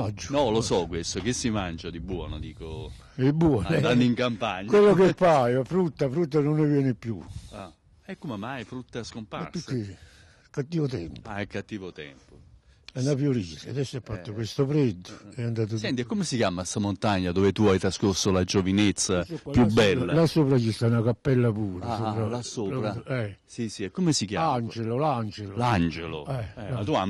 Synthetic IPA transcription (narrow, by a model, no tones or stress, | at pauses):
ad͡ʒnɔlosɔkːwest̪ok̟isːimand͡ʒad̪ibwɔ̰ːnod̪iːko | d̪ibwɔnanːiŋkampaɲːkwelːokepːajoafɾut̪ːafɾut̪ːanonːɪvjɛːnɪpːjṵ | ɛkːomemajfɾut̪ːaskompa̰ɾt̪ːukːe | kːat̪ːiːvot̪ɛ̰mpɛkːat̪ːiːvot̪ɛ̰mpo | ɛnːafjoɾisead̪ɛsːoɛfːat̪ːʊkwest̪ʊfɾed̪ːʊɛand̪aːt̪̬ʊsɛnt̪iɛkːomesikjaːmast̪amont̪aɲːad̪oːvet̪uajt̪ɾaskoɾsːolad͡ʒovinet̪sːaspjubːɛːlasoːpɾat͡ʃist̪anakapːɛlːapuːɾasoɾasolɾɛsisiɛkːomesikjaant͡ʃeloland͡ʒeloland͡ʒelo̰ɛat̪uam